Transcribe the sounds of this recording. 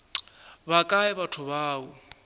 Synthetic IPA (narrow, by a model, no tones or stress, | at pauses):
bakʼaɛbatʰʊβaːʊ